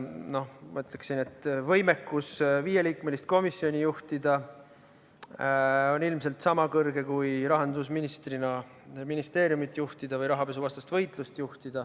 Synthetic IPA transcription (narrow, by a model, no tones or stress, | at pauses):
no̞hmɑ̰yt̪le̞ksine̞t̪ːˑvɤjme̞kːusviːjeliːkme̞list̪̚ko̞misːio̞nʲijuht̪id̪̥ɑ | o̞nilmse̞lt̪sɑmɑkɤrɡe̞kujɾɑɦɑnd̪usminist̪rinɑ | minist̪e̞ːɾjumit̪ːˑjuht̪id̪̥ɑvɤjɾɑɦɑpe̞suvɑst̪ɑst̪vɤjt̪ˑlust̪juht̪id̪̥ɑ